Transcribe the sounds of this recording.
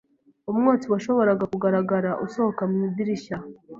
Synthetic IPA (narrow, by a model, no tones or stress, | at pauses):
umŋoːt͡siwaʃo̞βo̞ɾaɡakuɡaɾaɡaɾaʔusohokamɲidiɾiʃa